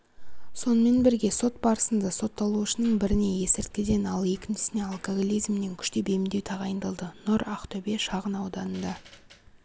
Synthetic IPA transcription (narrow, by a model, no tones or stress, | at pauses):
so̞nəme̞nbɪɾɡʲe̞so̞t̪̚bɑɾəsənd̪ɑso̞t̪ʰːɑlˠuəʃənəɴbɪɾɪne̞je̞sɪɾt̪̚kʲɪd̪e̞nɑlˠje̞kʲɪnʃɪ̥sɪne̞ɑlˠkoɡolʲijzmne̞ŋkʲʰʏ̥ʃt̪ebemɪnd̪e̞wt̪ʰɑʁɑjənd̪əlˠd̪ənʊɾaqt̪ʰɵbe̞ʃɑʁənɑwd̪ɑnənd̪ɑ